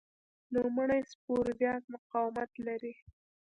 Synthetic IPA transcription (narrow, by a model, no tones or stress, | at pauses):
lumaɳajspoɾd̪jɑt̪mʊqɑwɪmat̪laɾi